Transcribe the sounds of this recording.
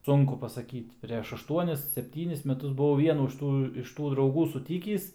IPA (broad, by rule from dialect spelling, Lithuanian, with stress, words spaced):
ˈsʊŋkʊ pɐsɐˈkʲiːtʲ pʲrʲɛʃ ɐʃˈtuɔnʲɪs sʲɛpʲˈtʲiːnʲɪs mʲɛˈtʊs bʊˈʋɐʊ ʋʲiɛˈnuː ɪʃ ˈtuː ɪʃ ˈtuː drɐʊˈɡuː sʊˈtʲiːkʲiːs